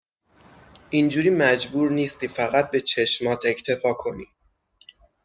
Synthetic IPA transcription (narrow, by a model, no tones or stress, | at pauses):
ind͡ʒuːɾiːmæd͡ʒbuːɾniːst̪̚kʰefæɣæt̪̚be̞t͡ʃʰe̞ʃmɒːt̪ʰe̞cʰt̪ʰe̞fɒːkʰo̞nḭ